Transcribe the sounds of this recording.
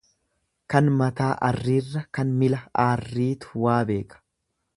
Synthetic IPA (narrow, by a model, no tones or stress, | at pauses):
kɐnmɐt̪aːʔɐrːiːrːɐkɐnmɪlɐaːrːiːt̪ʊ̥waːbe̞ːkʼɐ̥